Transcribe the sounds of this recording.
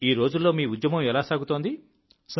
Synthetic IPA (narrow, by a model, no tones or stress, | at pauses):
iːɾo̞ːd͡ʒulːo̞ːmiːud̪jɐmɐ̃mɛlaːsaːɡut̪oːnd̪i | s